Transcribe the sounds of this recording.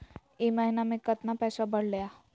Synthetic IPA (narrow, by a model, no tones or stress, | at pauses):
eməɦinamẽkət̪napɛːsabəɽ̤lja